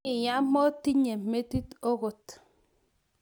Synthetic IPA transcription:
ɪ˨ja˦mɔ˦ti˦ɲe˨me˦ti˦to˦ɣo˨t

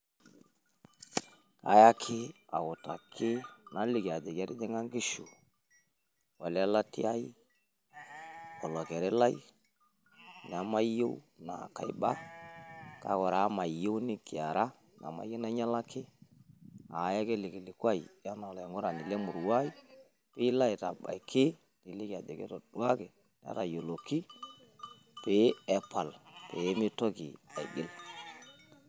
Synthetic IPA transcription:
a̰˨ja˦kʰɪ˦a˨ʊ˨ta̰˨kʰɪ˦na˨˦lɪ˨ki˨a˨dɛ˨kɛ˦ɾɪ˦dɛ˦ŋa˦ŋɡi˦ʃu˨ | wa˨lla˦tɪ̰˦a˦i˦ | ɔ˨lɔ˨kɛ˨ɾɛ˦la˦i˦ | n˨a˨˦ma˦jo˦w | na̰˨ka̰˨ḭ˦ba̰˦ | ka̰˨˦kɔ˨ɾa˨˦ma˨i˨jo˦wnɪ˦kɪ˨a˨ɾa˦ | n˨a̰˨ma̰˦je˦na˦ɲa˦la˦kɪ˦ | a˨ja˦ke˦lɪ˨ki˨li˨kwa˦˨i˨ja˦na˨la˨ŋo˦ɾa˨ni˨le˦mu˨ɾwa˦i˦ | pi˦la˦i˨ta˨ba̰˨i˨kʰɪ˦ | ni˨li˦ka˨de˨kḛ˦to˨d̥wa˦ke˨ | n˨˦a̰˦ta˨jo˨lo˨ki˦ | pe˨˦ɛ˨pa˨lpe˨˦mi˦to˦kḭ˨a̰˨j̰ɡɪ˦l

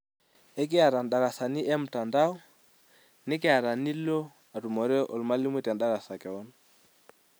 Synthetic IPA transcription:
ɛ˦k̬ɪ˦a˨ɾa˨nɗa˨ɾa˨sa˨ni˦ʔɛ˦m̩˨ta˨nda˦ɔ˦ | nɪ˦kɪ˦a˨ɾa˨ni˦lɔ˦ | a˨ɾu˨mɔ˨ɾɛ˦ʔɔ̰˨lma˦li˦mwɛ˦tɛ˨nɗa˦ɾa˨sa˨kɛ˨ɔ˦na

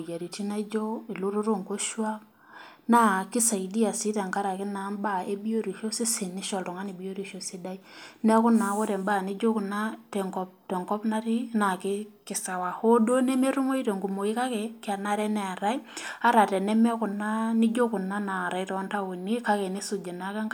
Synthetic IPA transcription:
ja˨ɾi˨ti˦na˦d͡ʒo˦ɪ˨lo˦ɾo˦ɾo˦ŋko˦ʃwa˦k | na˦kɪ˦sa˨i˨di˦a˨si˦ta˨ŋka˦ɾa˨kɪ˦na˨˦mba˦˨e˦bi˦o˦ɾi˨ʃo˦si˦sɪ˨nɪ˦ʃɔ˨ltɔ˨ŋa˦ni˨bi˦jo˦ɾi˦˨ʃo˦si˦da˦i˦nɛ˦kʊ˦na˨˦wo˦ɾɛ˨mba˦˨nɪ˦d͡ʒo˦ku˨na˦tɛ˨ŋkɔ˨p̚tɛ˨ŋɡɔ˦pna˦ɾi˦na˨kɪ˦kɪ˨sa˨wa˨ho˦do˦ne˦me˦ɾu˦ŋo˦i˦ɾe˨ŋɡu˨mo˨i˦ka˦kɛ˨kɪ˦a˨na˦ɾɛ˦nɛ˨a˨ɾa˦i˦a˦ɾa˨tɛ˨nɛ˦mɛ˦kʊ˨na˦nɪ˦d͡ʒo˦kʊ˨na˦na˨ɾa˨i˦tɔ˨˦nta˦wo˨ne˦ka˦kɛ˨ne˦su˨d͡ʒe˨na˦ka˦ŋ˦

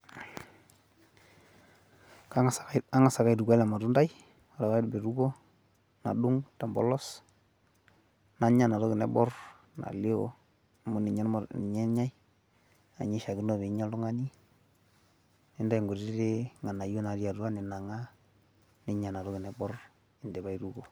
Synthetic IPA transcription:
ka˦˨a˦ŋa˨sa˨ka˦i˨du˨ɡa˦la˨ma˨tu˦nda˦j | ɾa˨wa˦i˦dbe˨ɾu˦ɡɔ˦ | na̰˨du˦ŋta˨mbɔ̰˦lɔ˦s | na˦ɲa˨na˨to˦kɪ˨nɛ˦bɔ˦r | na̰˨lɪ˦ɔ̰˦ | a˨mo˨˦ni˨ɲa˦n˨ɲɛ˦ɲa˦i | a̰˨ɲi˦ʃa˨ɡi˦nɔ˦˨be˨˦ɲa˦ldu˦ŋa˦ni˦ | ni˨nda˦ji˨ŋɡu˨ɾi˦ɾe˦ŋa˨na˨jo˦na˨˦ɾi˦a˨tu˦a˦nɪ˨na˨ŋa˦ | ni˦ɲa˨na˨ɾɔ˦kɪ˨nɛ˨bɔ˦r | ɪ˨ndɛ˨ba˦i˨ɾu˦ɡo˨

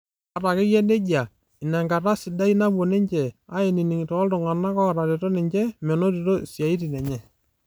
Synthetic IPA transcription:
a˨ɾa˨kɪ˦jɛ˦ne˦d͡ʒa˨ | ɪ˨nɛ˨ŋɡa˨ta˦sɪ˨da˦i˦na˦bo˨nɪ˦ɲt͡ʃɛ˨a˦ɪ˨ni˨nɪ˨ŋtɔː˨˦ltʊ˨ŋa˨na˦kɔ˦˨ɾa˨ɾe˨to˦nɪ˨ɲt͡ʃɛ˦mɛ˨no˦ɾi˨ɾo˦sja˨i˦ti˨nɛ˨ɲɛ˨

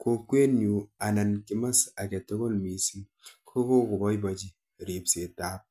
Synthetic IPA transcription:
ko˨kwe˦nju˨a˨na˨nki˨˦ma˦sa˨ke˨to˦ko˦lmi˨si˦ | kʰo˦ko˦ko˨bɔ˦jba˨d͡ʒi˦ | ɾi˨pse˨ta˦p̚

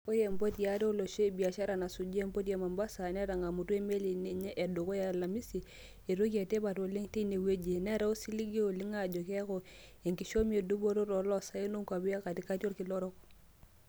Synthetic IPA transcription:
o˦je˨mbo˦tja˨˦ɾe˦o˦lo˨ʃo˦i˦˨bi˨a˨ʃa˦ɾa˨na˨su˨d͡ʒe˦mbo˦tje˨ma˨mba˦sa˨ne˦ɾa˨ŋa˨mu˨tu˦e˦me˦li˨ne˨ɲe˦ʔe˨du˨ko˦ja˨la˨mi˦si˨ | e˨ɾo˦ke˨te˦ba˨to˨li˦ŋte˦i˦ne˨we˦d͡ʒe˨ne˦ɾa˦u˦si˦li˦ɡi˦o˨li˦ŋa˨d͡ʒo˨ke˦ko˨e˨ŋki˨ʃo˦mi˦e˨du˦bo˦ɾo˦ɾo˨lo˦sa˦i˦no˦ŋka˨bi˦ja˦ka˨di˨˦ka˦to˦ɾki˨lɔ˦ɾɔ˦k̚

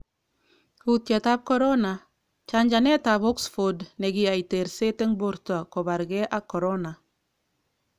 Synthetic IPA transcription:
hutja˨ta˦b̚kɔ˦ɾona˨ | t͡ʃa˨ɲd͡ʒa˨ne˦ta˨βɔ˦ksfo˨dne˨ɡi˨a˨jte˨ɾse˦te˦ŋbo˨ɾta˨ko˨ba˨ɾɡe˦ʔa˦kːo˨ɾona˨

